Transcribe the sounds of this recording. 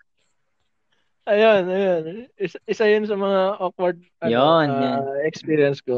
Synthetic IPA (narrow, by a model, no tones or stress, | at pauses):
ʔɐjonɐjonʔɪsaʔɪsajʊns̬ɐmɐŋaʔok̚wɐɾd̪̚ɐjonɛkspiːɾiɐnsko